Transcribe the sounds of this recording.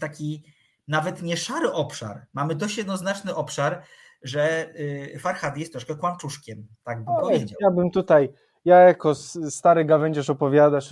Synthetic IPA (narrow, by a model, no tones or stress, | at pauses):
t̪akʲi | navɛt̪ɲɛʂaɾɘʔɔpʂa̰ɾmamɘd̪ɔɕt͡ɕjɛd̪nɔznat͡ʂnɘʔɔpʂaɾ | ʐɛ | faɾxad̪ʲiɛst̪ːɾɔʂkɛkwant͡ʂuʂkʲɛmt̪aɡ̚bɛjabɘmt̪ut̪aj | jajakɔsst̪aɾɘɡavɛɲd͡ʑaʂɔpɔvʲjad̪aʂ